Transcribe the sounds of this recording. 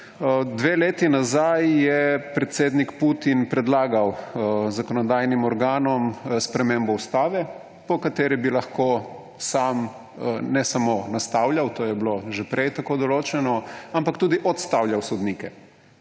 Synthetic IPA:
d̪ʋeːleːt̪inazajjɛpɾɛt̪seːd̪nikput̪inpɾɛd̪laːɡawzakɔnɔd̪aːjnimɔɾɡaːnɔmspɾɛmembɔust̪aːʋɛ | pɔkat̪eːɾibilaxkoː | sam | nɛsamonast̪aːwljawt̪oːjɛbloʒɛpɾɛjt̪akoːd̪ɔloːt͡ʃɛnɔampakt̪uːd̪iʔɔt̪st̪awljawsɔd̪niːkɛ

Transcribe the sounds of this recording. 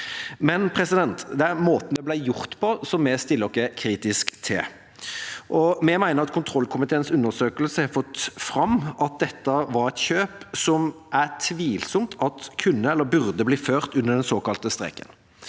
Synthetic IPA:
mɛnpʰɾɛsɪd̪ɛnt̪d̪ɛæɾmoːt̪n̩dɛblæɪjʊʁt̪pʰɔsɔmːɛst̪ɪlːɔkːəkʰɾiːt̪ɪskt̪ʰɪ̰l | ʔɔmɛmæɪnəʁɑt̪̚kʰʊnt̪ʰɾɔlːkʰʊmɪt̪ʰeːənsʉnːəsøːkəlsəhɛfɔt̪ːfɾɑmɑt̪̚d̪ɛt̪ːəʋɑɾɛt̪çøːpsɔmʔæʁt̪ʰʋiːlsɔmt̪ʰɑt̪kʰʉnːəɛlːəbʉʁd̪əbliːføːʁt̪ʉnːəɖ̪ɛnsoːkɑlt̪əst̪ɾɛ̰kːə̰n

